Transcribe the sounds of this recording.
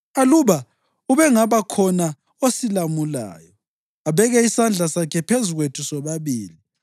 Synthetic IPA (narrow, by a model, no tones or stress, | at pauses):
aluβa | uβɛŋaβakʰɔna | osilamula̰ːjɔ | aβɛɣɛisand͡ɮʱasakʰɛpʰezuɣwetʰusɔβaβiːli